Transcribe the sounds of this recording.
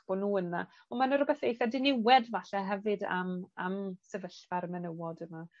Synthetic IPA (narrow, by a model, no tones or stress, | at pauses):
b̥ɔnuːəna | ɔmanəɾʊbɛθejθɛdɪnɪwɛdvaɬaɦɛvɨda̰mamsɛvəɬvaɾmɛnəwɔdəma